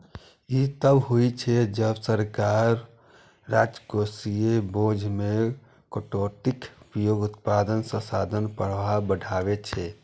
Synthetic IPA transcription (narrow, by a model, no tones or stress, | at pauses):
it̪əbɦoit͡ʃʰɛd͡ʒəbsəɾkaɾː | ad͡ʒkosiebod͡ʒʱme | kəʈoʈikpijoɡut̪pad̪ənsə̃sad̪ʱənpəɽʋabəɖʱaβet͡ʃʰɛ